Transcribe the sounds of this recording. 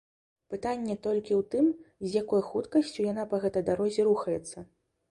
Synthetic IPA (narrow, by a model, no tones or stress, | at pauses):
pɨt̪anʲːɛt̪ɔlʲkʲiwt̪ɨmzʲjakɔjxut̪kɐsʲt͡sʲujanapɐɣɛt̪ɐjd̪aɾɔzʲɛɾuxɐjɛt̪sːɐ